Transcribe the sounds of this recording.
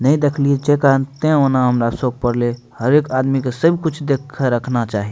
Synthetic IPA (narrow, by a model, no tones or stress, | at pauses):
nəĩd̪ekʰliet͡ʃekant̪ẽonaɦəmɾasok̚pəɾle | həɾekad̪mikesəbʱkʊt͡ʃʰd̪ekʰːeɾəkʰnat͡ʃaːɦi